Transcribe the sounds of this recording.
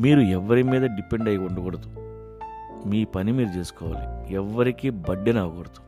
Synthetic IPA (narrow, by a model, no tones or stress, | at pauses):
miːɾuɛʋːɐɾimiːd̪ɐɖipeɳɖɐjuɳɖɐɡoɽɐt̪u | miːpɐnimiːɾut͡ʃe̞ːsu̥kɔːʋa̰ːlḭɛʋːɐɾikibɐɖːɐnaːɡoːɽɐt̪u̥